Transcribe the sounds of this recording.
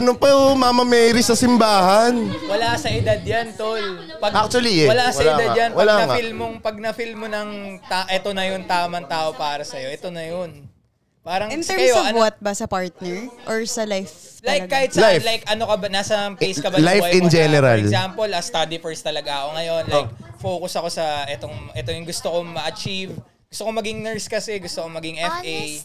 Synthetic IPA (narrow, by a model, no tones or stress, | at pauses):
ʔɐnopɐmamɐmɛːɾɪsɐsɪmbaːhɐnwɐlasɐʔɪd̪ad̪̚jant̪ol | pɐɡʔak̚t͡ʃuɐliɛwɐlasɐʔɪad̪ad̪jɐnwɐlanɐŋfilmoŋpɐɡ̚nɐfilmonɐŋt̪aʔɛt̪onɐjʊnt̪aːmɐŋt̪aːʔopaːɾɐsɐjo̞ʔɛt̪o̞nɐjon | paːɾɐŋɪ̃nɛkɐjoɐvwɐt̪̚bɐsɐpaɹt̪̚nɛɹʔoɹsɐlajflaɐjɐɡkaːhɪt̪̚sajlajkʔɐno̞kɐbanaːsɐpejskɐbalajfwaɪnd͡ʒɛnɛɾɐlzampolɐst̪ad̪ifɛɹst̪ɐlɐɡaɐko̞ŋɐjo̞nlajkfo̞ːkʊsɐko̞sɐʔɛt̪oŋʔɛt̪ojʊŋɡʊst̪oko̞mɐʔɐt͡ʃiv | ɡʊst̪okomɐɡiŋnɛɹskɐsɛɡʊst̪okomɐɡiŋʔɛfej